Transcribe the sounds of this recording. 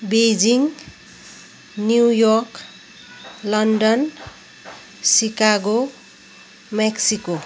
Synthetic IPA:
bed͡ziŋ | njujɔrk | lʌnɖʌn | sikaɡo | meksiko

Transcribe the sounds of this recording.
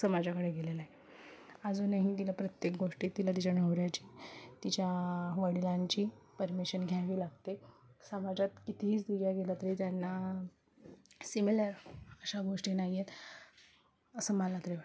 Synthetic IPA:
səmad͡ʑakəɽeɡelelaɦe | ad͡zuːnaɦĩt̪ilapɾət̪jek̚ɡoʂʈiːt̪ilat̪̬it͡ɕaɳəʋɾjat͡ɕiːt̪it͡ɕjaʋəɽilaɲt͡ɕiːpəɾmiɕənɡʱjaʋiːlaɡt̪esəmad͡ʑat̪kit̪ʰiɦiːt͡sd̪uɡjaɡelat̪əɾiːt̪janːa | simelaɾəɕaɡoʂʈiːnaɦjjet̪ | əsəmalat̪ɾeʋa

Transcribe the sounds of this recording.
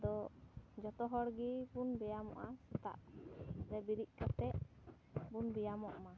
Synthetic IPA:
d̪ɔd͡ʒɔt̪ɔɦɔɽɡibunbɛjamɔ̰ʔasɛt̪a̰ʔɾɛbiɾiʔ̚ˀkat̪ɛʔ | bunbɛjamɔʔma

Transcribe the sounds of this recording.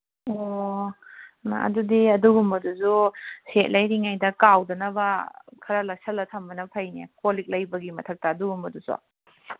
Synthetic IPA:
o | na̰ɐ̰dudiɐduɡumbɐduzuset̚lɐjɾiŋajdɐkawdɐnɐbɐkʰɐɾɐlɐsɐlːɐtʰɐmbɐnɐpʰɐjnḛkolik̚lɐjbɐɡimɐtʰɐk̚tɐːduɡumbɐdusɔ̰

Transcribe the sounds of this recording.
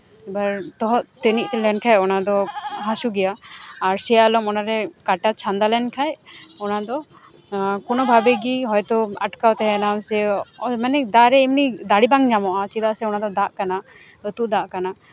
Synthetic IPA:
ɛbaɾt̪ɔɦɔʔt̪əniʔ̚t̪ɛlɛnkʰajɔnad̪ɔɦasuɡɛjaːɾsɛjalɔmɔnaɾɛkaʈat͡ʃʰand̪alɛnkʰajɔnad̪ɔ | kɔnɔbʱabɛɡiɦɔjt̪ɔaʈkawt̪ɛɦɛnamsɛmanɛd̪aɾɛimnid̪aɽibaŋd͡ʒamɔʔat͡ʃid̪asɛɔnad̪ɔd̪aʔkana | ət̪uʔd̪aʔkana

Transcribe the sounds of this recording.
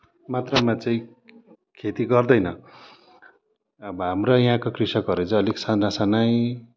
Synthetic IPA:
mat̪rʌmãt͡sʌĩ | kʰet̪iɡʌrd̪ʌjnʌ | ʌbʌɦamrʌjaɦãkokrisʌkɦʌɾut͡sʌ̃ʌliksanrasanʌj

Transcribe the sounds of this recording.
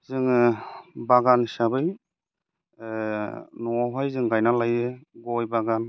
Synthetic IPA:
zɯŋ | baɡansabɯj | nɔɦajzɯŋɡajnalajɯɡɔjbaɡan

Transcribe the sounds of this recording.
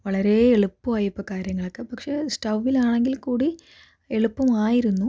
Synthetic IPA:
ʋɐɭɐɾe̞ːɭupːumaːjipːɐkaːɾjɐŋːɐɭokːepɐkʂe̞sʈɐwʋilaːɳeŋɡilkuːɽi | eɭupːɐmaːjiɾunːu

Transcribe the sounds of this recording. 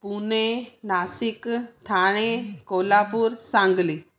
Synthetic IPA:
punenaːsikt̪ʰaːɽ̃ekoːlapuɾsãŋɡli

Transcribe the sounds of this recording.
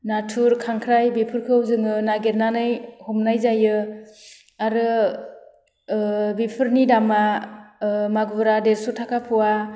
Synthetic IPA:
natʰuɾkʰaŋkʰɾajbipʰɯɾkʰɯwzɯŋɯnaɡeɾnanɯjhɔmnajzajɯ | aɾɯ | bipʰɯɾnidama | maɡbɯɾadeɾsutʰakʰapʰuwa

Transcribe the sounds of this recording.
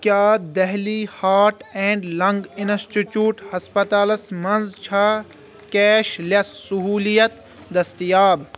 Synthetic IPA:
kjaːd̪ɐɦliːhaːɾʈɛ̃ːɳɖlɐ̃ŋɡinsʈit͡ʃjuːʈhɐspɐt̪aːlɐsmɐnzt͡ʃʰɐ | kɛːʃlɐsːʊɦuːlijɐt̪ | d̪ɐst̪ijaːb

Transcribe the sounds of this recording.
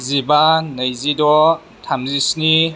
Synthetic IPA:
zibanɐjzidɔ | tʰamzisni

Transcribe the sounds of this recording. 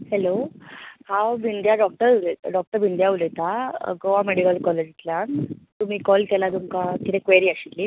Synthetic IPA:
helohãwbind̪jaɖɔk̚ʈəɾɖɔk̚ʈəɾbind̪jaulet̪aɡoameɽikəlkɔled͡ʑit̪ljant̪um̤iːkɔlkɛlat̪umkakit̪ekʋeɾiːaɕilːi

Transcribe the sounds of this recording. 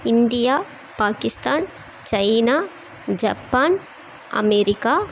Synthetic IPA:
ɪnd̪ijaː | paːkɪst̪aːn | t͡ʃɐjnaː | d͡ʒɐpːaːn | ɐ̰meːɾikaː

